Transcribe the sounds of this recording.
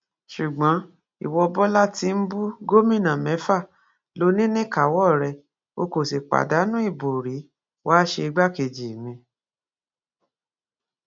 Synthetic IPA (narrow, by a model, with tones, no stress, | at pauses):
ʃu˨ɡ͡bɔ̃˨˦ | ḭ˨wɔ˧bɔ˦la˦ti˧n̩˦bu˦ɡo˦mĩ˦˨nã˨mɛ˨˦fa˦˨ | lo˨˧nĩ˦nĩ˦ka˨˦wɔ˦˨ɾɛ˧ | o˧ko˨si˨k͡pa̰˨da˨˦nũ˦i˦˨bo˨ɾi˨˦ | waː˦ʃe˧i˧ɡ͡ba˦ke˨d͡ʒi˨mĩ˧